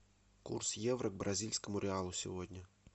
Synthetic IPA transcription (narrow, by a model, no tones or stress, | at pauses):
kṵrsjevɾəɡ̚bɾʔɐzʲilʲsʲkəmʊɾʲɪalˠʊsʲɪ̰vodʲnʲə